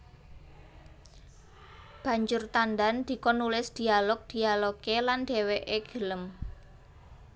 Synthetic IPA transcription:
b̥ä̤ɲd͡ʒʊrt̪and̪and̪̥i̤kɔnulɪsd̪̥i̤alɔk̚d̪̥i̤aloɡeland̪̥e̤weʔeɡ̥ə̤ləm

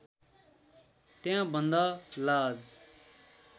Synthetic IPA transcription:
t̪ejãːbənd̪aːlaːz

